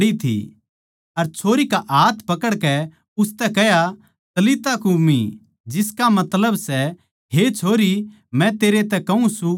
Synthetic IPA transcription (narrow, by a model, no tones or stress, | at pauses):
ɽit̪ʰḭ | ɐɾt͡ʃʰoːɾikaʔaːt̪ʰpɐkəɽkɛ | ʊst̪ɛkɛja | t̪ɐlit̪akumḭ | d͡ʒɪskamɐt̪ləbsɛ | ɦet͡ʃʰoːɾi | mɛ̃t̪eːɾet̪ɛkɐũsũ